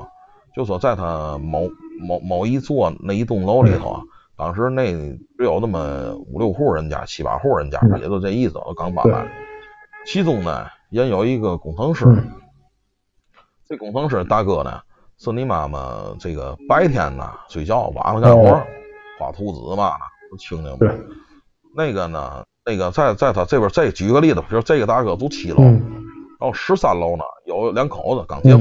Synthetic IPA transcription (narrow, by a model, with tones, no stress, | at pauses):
t͡ɕjo˥˧ʊswɔ˧˩t͡sa˥˩ɪt̪ʰa˥mo˧˥ʊmo˧˥mo˧˩ʊi˧˥t͡swɔ˥˩na˥˧˩i˧˥t̪̬ʊ˥˩ŋlo˥ʊli˧˥t̪ʰo̰˧˩˦t̪ɑ˨˥ŋʂɻ̩˧˥ne˥˩ɪʈ͡ʂɻ̩˧˥jo˨˩ʊnə˥˩mə˩ṵ˨˩ljo˥˧ʊxu˥˩ɻə˧˥nt͡ɕja̰˧˥˩t͡ɕʰi˧˥pa̰˧˥xu˥˩ɻə˧˥nt͡ɕja̰˧˥˨jɛ̰˧˥jo˥˧ʈ͡ʂi˥˩sɹ̩˨˩˨kɑ˧˥ŋpa̰˨˦ə̰˧˦ | t͡ɕʰi˥t̪ʊ˥˩ŋnə̰˨jɛ˧˥njo˧˥ʊi˧˥ɡə˧kʊ˨˩ŋt̪ʰɤ˧˥ŋʂɻ̩˧˩ | ʈ͡ʂkʊ˨˩ŋt̪ʰɤ˧˥ŋʂ̬ɻ̩˧˨˩t̪a˥˧kɤ˥˩nə̰˨˩ | s̩˥˩ni˧˥ma̰˨˩mə̰˧ʈ͡ʂe˥˩ɡə̰˩pa˥ɪt̪ʰjɛ̰˥˩nnə̰˨˩swe˨˩t͡ɕjɑ˥˩ʊwa̰˧˥lə˧ka˥˩˥xwɔ˥fa̰˨˩t̪ʰu˧˥˩t͡sɹ̩̰˨˩ə˧ba˧˩nə̰˩o˧˥t͡ɕʰi˧˥ŋlḭ˧˩m˧ | ne˥˩ɪɡə˩nə̰˨˩ne˥˩ɡə˩t͡sa˥˧ɪt͡sa˥˧ɪt̪ʰa˧ʈ͡ʂbjə˞˧˥t͡sa˥˩ɪt͡ɕy˨˧˥ɡə˧li˥˩də˩pʰi˨˧˥t͡sa˥˩ɪ˧ɡə˧t̪a˥˧kɤ˧˩t̪̬o˥ʊt̪ʰi˧˩lo˧ʊ˥ɻɑ˧˥˧ʂɻ̩˥sa˥˩lo˧˩ʊnə̰˨jo˧˥ʊljɑ˧˥ŋkʰo˨˩˦ʊdə˧kɑ̰˨˩ŋt̪jɛ˧˥